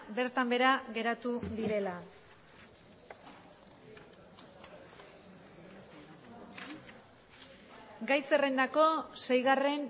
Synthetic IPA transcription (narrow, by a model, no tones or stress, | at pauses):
be̞ɾt̪ambe̞ɾaɣe̞ɾat̪uðiɾe̞la | ɡajserend̪ako̞se̞jɣare̞n